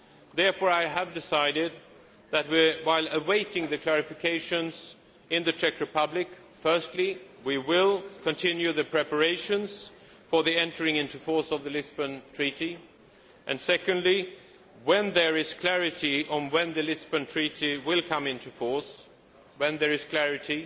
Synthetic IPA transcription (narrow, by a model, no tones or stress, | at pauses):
ðɛɹfɔɹaɪəvdɪsaɪɾɪd̪̚ | ðɨt̚wɪwaɪlˠəweɪɾɪ̃ŋðɨkʰl̥ɛɹɨfɨkʰeɪʃɨ̃nz̥ | ɪ̃nðɨt͡ʃʰɛkɹɨpʰʌblɪk | fɜ˞stˡli | wiwɪlˠkʰɨ̃ntʰɪ̃njʉðɨpʰɹ̥ɛpə˞eɪʃɨ̃nz̥ | fə˞ðiɛ̃ntə˞ɪ̃ŋɪ̃ntʉfɔɹsʌvðɨlɪzbɨ̃ntʰɹ̥iɾi | ʔɨ̃nsɛkɨ̃ndˡli | wɨ̃nðə˞ɪz̥kʰl̥æɹɨɾiə̃nwɨ̃nðɨlɪzbɨ̃ntʰɹ̥iɾiwɪlˠkʰʌ̃mɪ̃ntʉfɔɹs | wɨ̃nðə˞ɨz̥kʰl̥æɹɨɾi